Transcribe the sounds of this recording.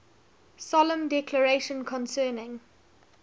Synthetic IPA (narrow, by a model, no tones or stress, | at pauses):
sɔlə̃mdɛkʰləɹeʃə̃nkʰɔ̃nsɜːnɪ̃ŋ